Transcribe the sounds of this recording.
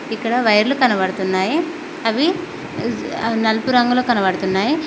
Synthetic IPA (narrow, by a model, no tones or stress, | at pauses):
ikːɐɽɐʋɐjɐɾlukɐnɐʋɐɽut̪unːaːji | ɐʋi | nɐlpuɾɐŋɡɐloːkɐnɐʋɐɽt̪unːaːji